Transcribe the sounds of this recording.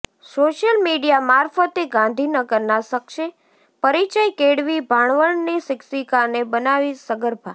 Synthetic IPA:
soʃəlmiɖijamaɾfət̪eɡãnd̪ʱinəɡəɾnasəkʃe | pəɾit͡ʃajkeɽʋibʱaɳ̃ʋəɳnesɪksikanebənaʋisəɡəɾbʱa

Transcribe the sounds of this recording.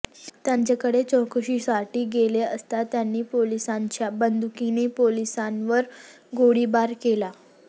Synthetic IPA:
t̪jãɲt͡ɕakəɽet͡ɕɔ̃kʰəɕiːsaʈiːɡeleəst̪at̪janːiːpolisãɲt͡ɕjabənd̪ʱukinepolisãnʋəɾ | ɡoɽibaɾkela

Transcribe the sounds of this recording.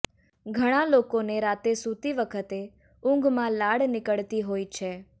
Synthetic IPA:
ɡʱəɽ̃ãlokoneɾat̪esut̪iʋəkʰət̪e | ʊ̃ŋɡmãlaɽnɪkəɭt̪iɦoit͡ʃʰe

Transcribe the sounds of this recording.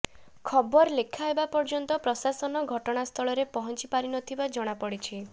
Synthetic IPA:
kʰɔbɔɾlekʰaɦebapɔɾd͡ʒɔnt̪ɔpɾɔsasɔnɔɡʱɔʈɔɽ̃ast̪ʰɔɭɔɾepɔɦɔnt͡ʃipaɾinɔt̪ʰibad͡ʒɔɽ̃apɔɽit͡ʃʰi

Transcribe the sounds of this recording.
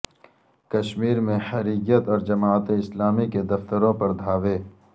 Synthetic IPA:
kɐʃmiːɾmẽhɐɾiɡjət̪ɔːɾd͡ʒɐmaːət̪eɪslaːmiked̪ɐft̪əɾõpɐɾd̪ʱaːʋeː

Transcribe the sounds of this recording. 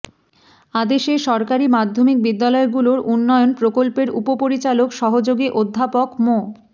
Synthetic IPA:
ad̪eʃeʃɔɾkaɾimad̪ʱːomik̚bid̪ːalɔeɡuloɾunːɔeonpɾokolpeɾupopoɾit͡ɕalokʃɔɦod͡ʑoɡiʔod̪ʱːapokmo

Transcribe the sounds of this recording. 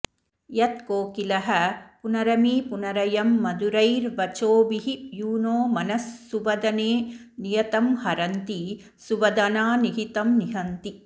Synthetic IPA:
jɐt̪koːkilɐɦɐpunɐɾɐmiːpunɐɾɐjɐmːɐd̪uɾɐjɾʋɐt͡ʃoːbiɦijuːnoːmɐnɐsːuʋɐd̪ɐneː | nijɐt̪ɐmhɐɾɐnt̪i | suʋɐd̪ɐnaːniɦit̪ɐmniɦɐnt̪i

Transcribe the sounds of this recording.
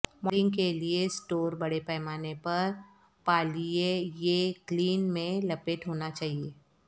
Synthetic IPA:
mɾɪ̃ŋɡkeliesʈoːɾbɐɽepɛːmaːnepɐɾ | paːliejekliːnmẽlɐpeʈɦoːnat͡ʃaːɦieː

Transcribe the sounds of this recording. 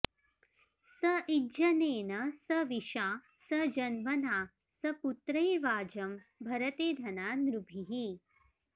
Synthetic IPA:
sɐʔid͡ʒɐneːnɐsɐʋiʃaː | sɐd͡ʒɐnmɐnaː | sɐput̪ɾɐjʋaːd͡ʒɐmbʱɐɾɐt̪eːd̪ʱɐnaːnɾubʱiɦi

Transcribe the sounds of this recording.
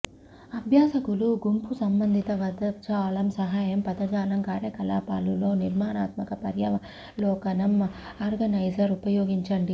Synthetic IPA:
ɐbʱjaːsɐkuluɡumpusɐmbɐnd̪ʱit̪ɐʋɐd̪ɐt͡ʃaːlɐmsɐɦaːjɐmpɐd̪ɐd͡ʒaːlɐmkaːɾjɐkɐla̰ːpaːlulo̞ːniɾmaːɳa̰ːt̪mɐkɐpɐɾjɐʋɐ | lɔːkɐnɐmaːɾɡɐnɐjsɐɾupɐjoːɡiɲt͡ʃɐɳɖi

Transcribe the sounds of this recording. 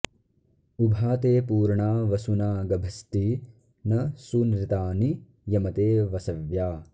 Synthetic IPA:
ubʱaːt̪eːpuːɾɳaːʋɐsunaːɡɐbʱɐst̪i | nɐsunɾit̪aːni | jɐmɐt̪eːʋɐsɐʋjaː

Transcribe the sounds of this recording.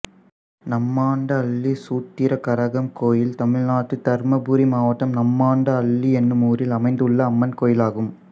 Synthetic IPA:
nɐmːaːɳɖɐɐɭːisuːt̪ːɪɾɐkɐɾɐɣɐmkoːjɪlt̪ɐmɪɻnaːʈːɯt̪ɐɾmɐbuːɾimaːʋɐʈːɐmnɐmːaːɳɖɐɐɭːiɛnːɯmuːɾɪlɐmɐɪnd̪ɯɭːɐːmːɐnkoːjɪlaːɣɯm

